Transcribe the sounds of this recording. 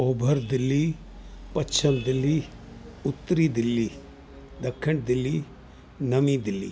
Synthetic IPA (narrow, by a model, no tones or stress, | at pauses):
oːbʱəɾd̪ɪlːi | pɐt͡ʃʰəmd̪ɪlːi | ʊt̪ːɾid̪ɪlːiː | d̪ɐkʰːəɳɖd̪ɪlːi | nɐmid̪ɪlːḭː